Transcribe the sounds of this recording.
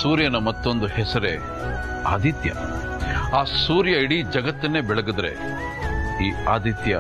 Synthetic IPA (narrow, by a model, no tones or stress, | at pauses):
suːɾjɐnɐmɐt̪ːo̞nd̪uhɛsɐɾḛ | a̰ːd̪ʱit̪jɐ̰ | aːsuːɾjɐiɽid͡ʒɐɡɐt̪ːɐnːeːbɛɭɐɡud̪ɾe̞̰ | iːaːd̪ʱit̪jɐ